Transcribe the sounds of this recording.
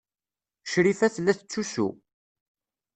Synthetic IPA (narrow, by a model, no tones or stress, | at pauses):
ʃɾifæθlːæθət͡sːusṵ